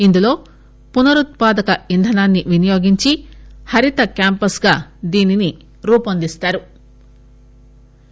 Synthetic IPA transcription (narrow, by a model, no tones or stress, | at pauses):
ind̪ulo̞ː | punɐɾut̪̚paːd̪ɐkɐind̪ʱɐnaːnːiʋinijo̞ːɡiɲt͡ʃihɐɾit̪ɐkaːmpɐsɡaːd̪iːnini | ɾuːpɐnd̪ist̪aːɾu